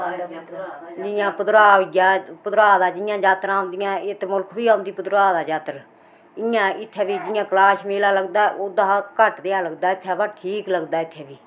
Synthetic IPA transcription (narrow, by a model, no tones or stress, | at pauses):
d͡ʒɪjãːpʊd̪ɾaːijaːpʊd̪ɾaːd̪aːd͡ʒɪjãːd͡ʒaːt̪ɾãːnd̪ɪjãːɪt̪mʊlkʰbiːãːʊnd̪iːpʊd̪ɾaːd̪aːd͡ʒaːt̪ɾ | ɪjãːɪt̪ʰːɛːbiːd͡ʒɪjãːklaːsmeːlaːləɡd̪aːʔoːd̪aːkəʈd̪eːaːləɡd̪aːɪt̪ʰːɛːbaʈʰiːkləɡd̪aːɪt̪ʰːeːbiː